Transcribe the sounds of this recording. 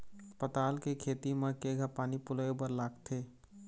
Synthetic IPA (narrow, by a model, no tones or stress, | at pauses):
pət̪aːlkekʰeːt̪imẽkeːɡʱəpaːnipʊləebəɾlaːɡt̪ʰeː